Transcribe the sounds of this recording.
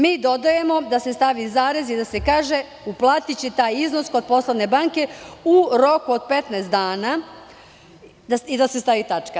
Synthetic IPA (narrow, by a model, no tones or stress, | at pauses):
miːd̪o̞d̪aje̞mo̞d̪asest̪aʋizaːɾezid̪ase̞kaːʒe̞ | uplˠaːt̪it͡ɕet̪aːjiznosko̞d̪̚po̞slˠoʋne̞baŋke̞uɾo̞kuod̪̚pe̞t̪naːst̪d̪aːna | d̪aid̪ase̞st̪aʋit̪at͡ʃka